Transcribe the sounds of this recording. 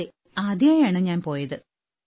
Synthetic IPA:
e | aːd̪jaːjaːɳɨɲaːnpo̞ːjɐðɨ

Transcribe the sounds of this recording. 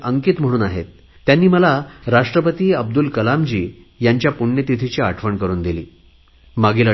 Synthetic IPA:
ʔəŋkiːt̪m̤əɽ̃uːnaɦet̪ː | janːiːməlaɾaʂʈɾəpət̪iːəb̚d̪ulkəlamd͡ʑiː | jaɲt͡ɕjapuɳːjət̪it̪ʰit͡ɕiːaʈʰʋəɳkəɾuːnd̪ilḭː | maɡiːlə

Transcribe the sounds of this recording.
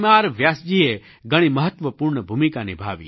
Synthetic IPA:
maːɾʋjaːsd͡ʒie | ɡɐɽ̃imɐɦət̪ʋəpuɾɳəbʱumikanibʱaːʋḭː

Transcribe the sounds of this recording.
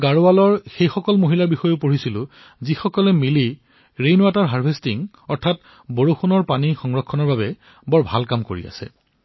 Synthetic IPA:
ɡaɹoalɔɹxejxɔkɔlmoɦilaɹbixɔjopoɹisilʊ | zixɔkɔlɛmili | ɹejnʊataɹɦaɹbʱestiŋ | ɔɹtʰat | boɹoxonɔɹpanixɔŋɹɔkʰːɔnɔɹbabɛ | bɔɹbʱalkamko̰ɹḭa̰sɛ̰

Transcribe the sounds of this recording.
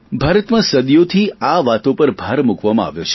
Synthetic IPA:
bʱaɾət̪mãsəd̪jot̪ʰiaʋat̪õpəɾbʱaɾmukʋamãa̰ʋjot͡ʃʰe

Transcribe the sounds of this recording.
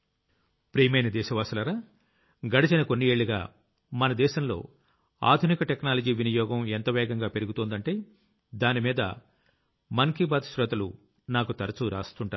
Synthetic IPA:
pɾiːmɐjnɐd̪ɛːʃɐʋaːsulɐɾaː | ɡɐɽit͡ʃɐnɐko̞nːieːɭːiɡa̰ː | mɐnɐd̪ɛːʃɐmlo̞̰ː | a̰ːd̪ʱunikɐʈeknaːlɐd͡ʒiːʋinijɔːɡɐment̪ɐʋɛːɡɐŋɡaːpe̞ɾuɡut̪ond̪ɐɳʈe̞ː | d̪aːnimiːd̪ɐ̰ | mɐŋkibaːd̪ʃɾɐt̪ɐlṵ | naːkut̪ɐɾɐt͡ʃuɾa̰ːst̪uɳʈaːɾ

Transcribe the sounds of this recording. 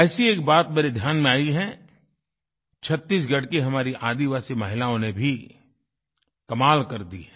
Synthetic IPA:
ɛːsieːk̚baːt̪meːɾed̪ʱjaːnmẽaːiɦɛ̃ | t͡ʃʰɐt̪ːiːs̬ɡɐɽkiɦɐmaːɾiʔaːd̪iʋaːsimɐɦɪlaːõnebʱi | kɐmaːlkɐɾd̪ḭɦɛ̃ː

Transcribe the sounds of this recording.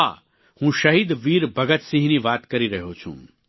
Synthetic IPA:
a | hũːʃɐɦiːd̪ʋiːɾbɐɡət̪sĩɦiniʋaːt̪kɐɾiɾɐɦot͡ʃʰṵ̃ː

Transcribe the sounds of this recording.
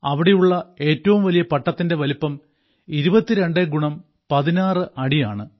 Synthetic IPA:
ɐʋiɽe̞juɭːɐe̞ːtːɐʋumʋɐlijɐpɐʈːɐt̪ːinde̞ʋɐlipːɐm | iɾubɐt̪ːiɾe̞ɳɖɨɡuɳɐm | pɐðinaːrɨʔɐɽijaːɳɨ

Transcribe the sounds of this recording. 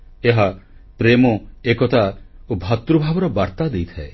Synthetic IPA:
eɦapɾemɔekɔt̪aobʱat̪ɾubʱabɔɾɔbaɾt̪ad̪ejt̪ʰae

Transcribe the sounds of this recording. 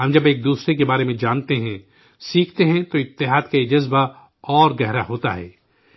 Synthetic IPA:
ɦɐ̃md͡ʒɐbeːk̚d̪uːsɾek̬ebaːɾemẽd͡ʒaːnt̪eɦɛ̃ | siːkʰt̪eɦɛ̃t̪oɪt̪ːɪɦaːd̪kaid͡ʒɐzba | ɔːɾɡɛɦɾaɦoːt̪a̰ɦɛ̰ː

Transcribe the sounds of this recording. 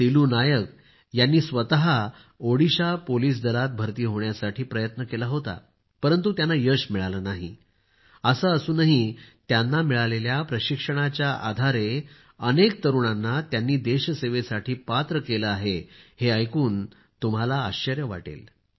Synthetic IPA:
t̪iluːnajək | janːiːsʋət̪aɦa | oɽiɕapoliːs̬d̪əlat̪̚bʱəɾt̪iːɦoɳjasaʈʰiːpɾəjət̪nəkelaɦot̪a̰ | pəɾənt̪ut̪janːajəɕmiɭalənaɦḭ | əsəəsuːnaɦit̪janːamiɭaleljapɾəɕikʂəɽ̃at͡ɕjaʔad̪ʱaɾe | ənek̚t̪əɾuɳanːat̪janːiːd̪eɕseʋesaʈʰiːpat̪ɾəkeləaɦeheəjkuːn | t̪um̤ɦalaːɕt͡ɕəɾjəʋa̰ʈḛl

